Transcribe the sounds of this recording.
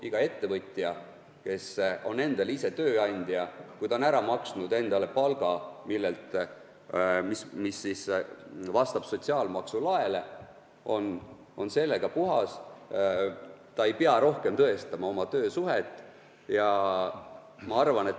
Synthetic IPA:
iɡ̥ɑe̞t̪ːe̞vɤt̪ʲːˑjɑ | ke̞so̞̰ne̞nd̪̥ɑlise̞t̪ø̞ːɑnʲd̪̥jɑkujd̪ɑnæɾɑmɑksnud̪e̞nd̪̥ɑle̞pɑlɡ̥ɑmilːelt̪ | mismisːisvɑst̪ɑb̥so̞t̪ʲsiɑːlmɑksulɑe̞le̞ | o̞n | o̞nse̞lːe̞ɡ̥ɑpuɦɑs | t̪ɑe̞jpeɑɾo̞hke̞mt̪ɤest̪ɑmɑo̞mɑt̪ø̞ːsuɦet̪ːˑ | jɑ | mɑɑrvɑne̞t̪

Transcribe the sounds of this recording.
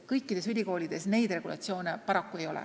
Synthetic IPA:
kɤjkːˑid̪̥e̞sylʲiko̞ːlʲid̪̥e̞sne̞jd̪̥re̞ɡ̥ulɑ̰t̪sio̞ːnepɑɾɑkːue̞jo̞̰lɛ̰

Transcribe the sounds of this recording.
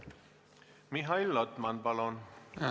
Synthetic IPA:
miɦajlːɔt̪manbalɔn

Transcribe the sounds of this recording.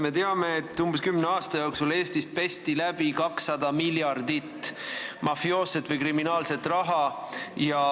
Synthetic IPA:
me̞t̪e̞ɑme̞ːt̪ːˑumb̥eskymneɑːst̪ɑjoksule̞ːst̪ist̪̚pe̞st̪ilæb̥ikɑksːɑd̪̥ɑmiljɑrd̪it̪ːmɑfjo̞ːset̪ːˑvɤjkriminɑːlse̞t̪ːˑrɑɦɑjɑ

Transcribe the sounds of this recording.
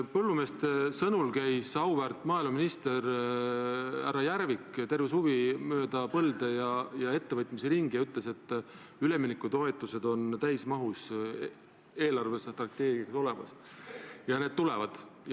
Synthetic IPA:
pɤlːume̞ːst̪e̞sɤnulkæjsɑwvært̪ːˑmɑːilmɑminist̪e̞ɾ | æ̰ɾɑjæɾvikt̪e̞rveshuvimø̞ːd̪̥ɑpɤld̪̥e̞jɑjɑe̞t̪ːevɤt̪ːˑmiseɾiŋɡ̥ijɑyt̪ˑle̞se̞t̪ːˑ | yle̞mːinikːut̪o̞e̞t̪ːˑuse̞d̪̥o̞nt̪æjsmɑɦus | e̞ːlɑrve̞sːet̪rɑk̚t̪e̞ːɡ̥iɑkso̞le̞mɑ̰s | jɑne̞d̪̚t̪ulevɑd̪̥

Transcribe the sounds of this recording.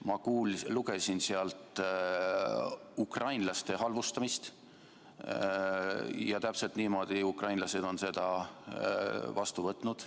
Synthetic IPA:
mɑkuːlluɡ̥e̞sinseɑlt̪ˑ | ukrɑjnlɑst̪e̞ɦɑlvust̪ɑmist̪ | jɑt̪æpse̞lt̪niːmo̞d̪̥iukrɑjnlɑse̞d̪̥o̞nse̞d̪̥ɑ | vɑst̪uvɤt̪ːˑnud̪̥

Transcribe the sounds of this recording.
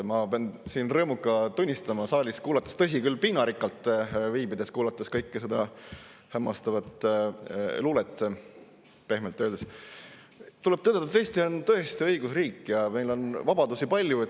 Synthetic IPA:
mɑpeɑnsiːnrɤːmukːˑɑt̪unʲːist̪ɑmɑsɑːlʲiskuːlɑt̪ːˑɑ̥st̪ɤs̬ʲikylːpiːnɑɾikːˑɑlt̪ːˑviːbid̪̥e̞skuːlɑt̪ːˑɑskɤjkːesed̪ɑhæmːɑst̪ɑvɑt̪ˑ | luːlet̪ːˑ | pe̞hmelt̪ːøːd̪̥es | t̪ule̞b̚t̪øːd̪et̪ːɑt̪eːst̪iont̪ɤ̞est̪iɤjɡ̥usriːkːˑjɑme̞jlo̞nvɑbɑd̪usipɑlʲjue

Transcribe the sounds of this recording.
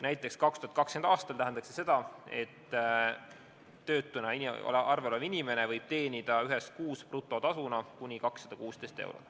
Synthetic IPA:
næjt̪ːˑe̞kskɑkst̪uhɑt̪̚kɑkskend̪ɑːst̪ɑlt̪æɦænd̪ɑkse̞se̞d̪̥ɑe̞t̪ːˑ | ø̞ːt̪ːˑunɑio̰lɑrveolevinʲime̞nevɤjb̥̚t̪e̞ːnid̪̥ɑyɦes̚kuːsprut̪ːˑo̞t̪ɑsunɑkunʲikɑksːɑd̪̥ɑkuːst̪e̞jst̪e̞̰wɾo̰t̪

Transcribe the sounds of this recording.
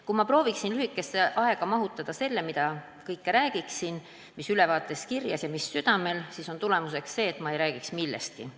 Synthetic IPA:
kumɑpro̞ːviksinlyhikːˑe̞sːe̞ʔɑe̞ɡ̥ɑmɑɦut̪ːˑɑd̪̥ɑse̞lːe̞mid̪̥ɑ | kɤjkːeɾæːɡ̥iksin | misylɛvɑːt̪ːˑe̞skirjɑsjɑmisːyd̪̥ɑme̞lsiːso̞nt̪ule̞mus̬e̞ksse̞ːt̪ːˑmɑe̞jɾæːɡiksmilːest̪̚ki

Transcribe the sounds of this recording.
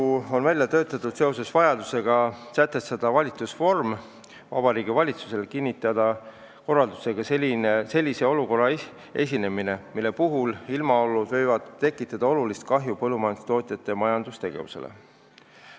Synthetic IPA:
uo̞nvælʲjɑt̪ø̞ːt̪ːˑɑt̪ːˑud̪̥se̞o̞se̞svɑjɑd̪use̞ɡ̥ɑsæt̪ːe̞st̪ɑd̪̥ɑvɑlʲit̪susfo̞rm | vɑ̰bɑɾiːɡivɑlʲit̪su̥se̞lkinʲːit̪ːˑɑd̪̥ɑ | ko̞rːɑld̪use̞ɡ̥ɑselinese̞lʲːise̞o̞luko̞rːɑ | e̞̰sʲine̞mine̞milːe̞puɦulilmɑo̞lːud̪̥vɤ̞jvɑd̪̥t̪ːe̞kːˑit̪ːˑɑd̪̥ɑo̞lulist̪̚kɑɦjupɤlːumɑjɑnd̪u̥st̪o̞ːt̪ʲˑjɑt̪ːˑe̞mɑjɑnd̪̥ust̪e̞ɡ̥e̞̰vṵse̞̰lḛ

